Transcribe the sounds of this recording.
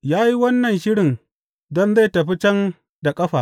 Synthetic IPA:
jaː˦ji˦wɐ˦nːɐ˨nʃɪ˦ɽɪ˨n | dɔ˦nza˦˨jtɐ˨ɸi˦t͡ʃɛ˦n | da˨kʼɐ˦ɸaː˨

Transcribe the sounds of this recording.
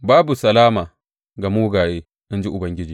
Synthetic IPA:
baː˦bu˨sɐ˨laː˦ma˨ | ɡa˨mu˦wɡaː˨je˦ | i˦nd͡ʒi˦ʔu˨bɐ˨ŋɡʲi˦d͡ʒi˨

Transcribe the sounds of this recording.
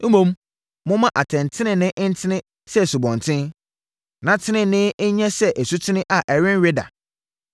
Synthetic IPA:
m̩˦mũ˦m | mʊ̃˦mã˦ʔa˨tʰɛ̃˨n˨tʰɪ˦nɪ̃˨nɪ̃˦ʔn̩˦tʰɪ˦nɪ̃˦ | sɛ˦˨su˨bɔ̃˨n˨tʰɪ̃˦n | nã˨tʰɪ˦nɪ̃˨nɪ̃˦ɲɛ̃˦sɛ˦ʔæ˨su˦tʰɪ˦nɪ̃˦ʔa˨ʔɛ˨ɾɪ̃˦n˦ɥɪ˦da̰˨

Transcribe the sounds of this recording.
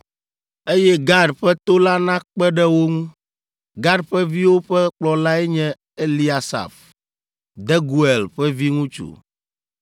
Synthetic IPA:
e˦jɛ˦ɡa˦ɖɸɛ˦t̪o˦la˦nã˦k͡pɛ˦ɖɛ˦wo˦ŋũ˦ | ɡa˦ɖɸɛ˦vi˦wo˦ɸɛ˦k͡plɔ˨la˦ɛ˦ɲɛ̃˦ | e˦li˦a˨sa̰˨f | d̪ɛ˦ɡu˨e˨lɸɛ˦vi˦ŋũ˦t͡ʃṵ˨

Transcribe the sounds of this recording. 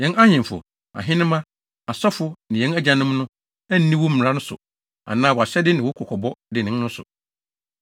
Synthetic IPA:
jɛ̃˨˦na˦ɲɛ̃˨m˨fʊ̰˨ | a̰˨ɦɪ̃˦nɪ̃˦mã˦ | a˨sɔ˦fʊ˦nɪ̃˨jɛ̃˦næ˦d͡ʑã˨nʊ̃˦m˦nʊ̃˦ | æ˦n̩˦nĩ˦wɔ˦m̩˨ɾã˦nʊ̃˦sʊ̰˨ | a̰˨nãː˦wɔ˨a˨ɕɛ˦dɪ˦nɪ̃˨wʊ˦kʰɔ˨kʰɔ˨bɔ˦dɪ˨nɪ̃˨˦n˦nʊ̃˦sʊ̰˨

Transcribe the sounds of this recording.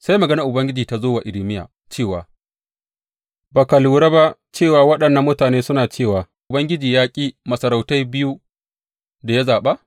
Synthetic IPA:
sa˦jmɐ˨ɡɐ˦nɐ˨ʔʊ˨bɐ˦ŋɡʲɪ˦d͡ʒiː˨ta˨zoː˦wa˨ʔɪ˨lɪ˦mɪ˦ja̰ː˨ | t͡ʃeː˦˨waː˨ | baː˨kɐ˨luː˨ɾaː˦ba˦ʔt͡ʃeː˦˨waː˨wɐ˦ɗɐ˨nːɐ˦mːʊ˦taː˨neː˦sʊ˦naː˨t͡ʃeː˦˨waː˨ʔʊ˨bɐ˦ŋɡʲɪ˦d͡ʒiː˨jaː˦kʲʼiː˦mɐ˨sɐ˨ɾa˨wta˦jbɪ˦ju˦ | da˨ja˦zaː˨ɓa˦ʔ

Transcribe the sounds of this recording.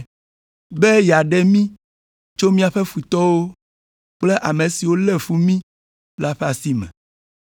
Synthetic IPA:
be˦ja˨ɖe˦mĩ˦ | t͡ʃo˦mĩ˦a˨ɸe˦fu˨t̪ɔ˦wo˦ | k͡ple˦ʔa˨mẽ˨si˨wo˦le˦˨fu˦mĩ˦ | la˦ɸɛ˦a˨si˦mɛ̰̃˨

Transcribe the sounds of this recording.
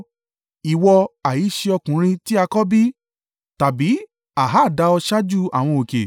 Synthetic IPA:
i˨wɔ˧a˨ji˨˦ʃe˧ɔ˧kũ˨˦ɾ̃ĩ˧ti˦a˧kɔ˦bi˦ | ta˨bi˨˦ | a˨ɦa˦˨da˧˦ɔ˧ʃa˦d͡ʒu˦a̰˨w̃ɔ̃˧o˨kḛ˨

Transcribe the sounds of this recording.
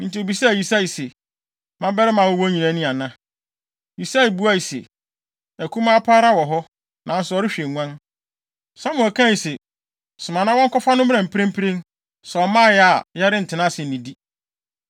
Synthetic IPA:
n̩˨ti˨o˨bi˨sa˦˨ji˨sa˦i˨se˨ | mã˦bɛ˦ɾɪ˦mã˨wɔ˦wɔ̃˦ɲĩ˨nã˦nɪ̃˦a˨nã˦ | ji˨sa˦i˨bu˦a˦˨i˨sḛ˨ | æ˨kʰũ˦mã˦pʰaː˦ɾa˦wɔ˨ɦɔ˦ | nã˨n̩˦sʊ˨ɔ˨˦ɾɪ˦ɕᶣe˨ŋʷã˦n | sã˦mʊ̃˨ɛ˨kʰã˦i˨sɛ˨ | sʊ˨mã˨nã˦wɔ̃˦ŋ̩˦kɔ˦fa˦nʊ̃˦m˦ã˨m̩˨pʰɪ˦ɾɪ̃˦m˦pʰɾẽ˦n | sɛ˨ɔ˨mãː˦˨jɛ˨˦a˨ja˦ɾɪ˦n̩˨tʰɪ˨nã˦sɪ˨n̩˨nĩ˨di˦

